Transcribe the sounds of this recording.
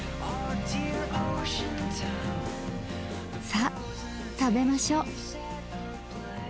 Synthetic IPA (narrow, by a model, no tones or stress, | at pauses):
odiɹoʃɨ̃ntʰãn | sa | t̪abe̞maɕoː